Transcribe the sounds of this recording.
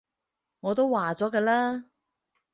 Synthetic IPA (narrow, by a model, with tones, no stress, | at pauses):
ŋɔː˨˧t̪o˥wwaː˨t͡sɔː˨˥kɐː˧laː˥